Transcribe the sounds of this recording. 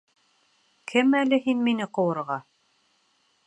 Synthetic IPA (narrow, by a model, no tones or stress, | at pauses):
kʰɘmælɘɦinminɘqŏwɤ̆ɾʁɑ